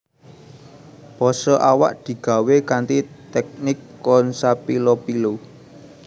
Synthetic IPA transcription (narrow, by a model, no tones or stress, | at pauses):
b̥ɔsɔʔawa̰ʔd̪̥i̤ɡ̥ä̤wekant̪it̪ɛk̚nɪkːɔnsapilopilo